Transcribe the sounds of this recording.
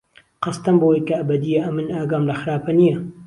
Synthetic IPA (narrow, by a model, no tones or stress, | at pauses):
qɑst̪ɐmbowijkɐɐbɐd̪ijɐʔɐmɨnaːɡaːmlɐxɨɾaːpɐnijɐ